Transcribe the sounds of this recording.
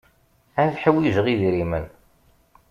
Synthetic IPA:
æθħəwiʒəʁiðɾimən

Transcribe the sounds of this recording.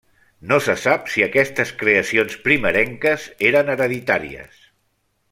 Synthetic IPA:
nosəsapsiəkɛst̪əskɾeəsionspɾiməɾɛŋkəzeɾənəɾəðit̪aɾḭə̰s

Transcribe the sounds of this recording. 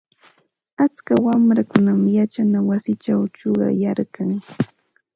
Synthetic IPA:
at͡skawamɾakʊnamjat͡ʃanawasɪt͡ʃawt͡ʃoɢɑ̰jaɾkaŋ

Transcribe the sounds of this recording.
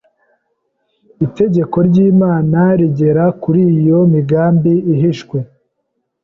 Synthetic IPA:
ite̞ɟe̞ko̞ɾɟiːmaːnaɾiɟe̞ɾakuɾiːjo̞miɡaːmbiiɦiʃkwe̞

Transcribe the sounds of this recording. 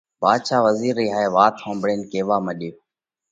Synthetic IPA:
baːd̪ʃaːʋəziːɾːiːɦaːeːʋaːt̪ʰõːmbɽeːnkeːʋaːməɗeː

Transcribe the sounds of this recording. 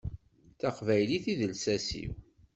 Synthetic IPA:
θɑqvæjliθiðəlsæsḭw

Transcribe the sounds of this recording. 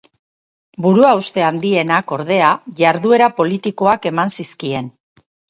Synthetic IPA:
buɾuaust̪e̞and̪ie̞nako̞ɾð̞e̞aʝaɾðue̞ɾapo̞lit̪iko̞ake̞mansiskie̞n

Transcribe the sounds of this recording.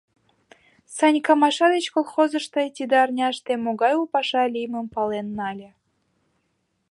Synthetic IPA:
sɑnʲkɑmɑʃɑd̪et͡ɕkolˠχozɤ̆ʃt̪ɑt̪ʲid̪ɑːrnʲɑʃt̪emoɣɑjupɑʃɑlʲijmə̆mpɑlˠenːɑlʲĕ

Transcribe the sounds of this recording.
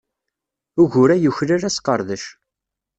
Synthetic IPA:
ʊʝʊɾæjəçɾaɾæsqəɾˤðəʃ

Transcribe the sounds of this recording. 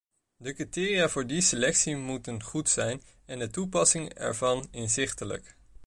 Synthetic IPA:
dəkritɪːriaːvʊːɹdiselɛksimutənχutsɛjn | ɛndətupɑsɪŋɛ̰ɹvɑnɪnzɪχtələ̰k

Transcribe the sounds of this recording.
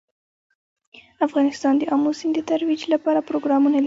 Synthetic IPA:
afɣɑnɪst̪ɑnd̪əʔɑmusind̪ət̪aɾwid͡ʒlapɑɾapɾoɡɾɑmunal

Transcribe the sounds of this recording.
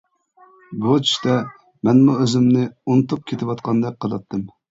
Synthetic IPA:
but͡ʃʰi̥ʃt̪ɛ | mɛnmuøzɪmnɪunɨt̪up̚kʲʰet̪ʰɪwɑt̪qʰɑnd̪ɛk̚ʲqʰəlˠɑt̪ʰːɨm

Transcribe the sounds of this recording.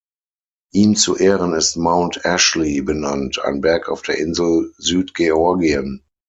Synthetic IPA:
ʔiːmt͡suʔeːʁənɪstmãʊ̃ntʰɛʃlibənantʰa̰ɪnbɛɐkaʊfd̥eːɐʔɪnzl̩zyːtɡ̥eɔɐɡiən

